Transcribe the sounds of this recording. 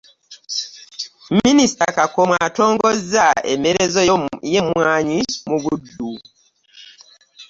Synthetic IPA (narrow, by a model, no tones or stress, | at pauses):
ministakakomwaːto̞ːŋɡo̞zae̞̰meɾe̞zojemwwaːɲimuβudːu